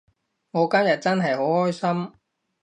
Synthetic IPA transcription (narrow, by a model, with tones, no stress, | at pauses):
ŋɔː˨˧kɐ˥mjɐ˨t̚t͡sɐ˥nɦɐ˨jho˨˥whɔː˥jsɐ˥m